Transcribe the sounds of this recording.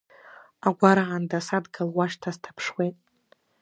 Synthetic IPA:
aɡʷaɾaʕandasadɡalwaʃtʰaztʰḁpʰʂwejtʼ

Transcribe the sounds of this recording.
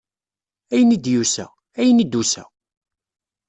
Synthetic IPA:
æjənid̪jusæ̰ | æjənid̪ːusæ̰

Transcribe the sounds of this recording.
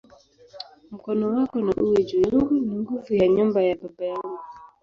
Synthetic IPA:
m̩kɔnɔwakɔnaʔuwed͡ʒojuɡuniŋɡuvujaɲɔmbajababajaɡɔ

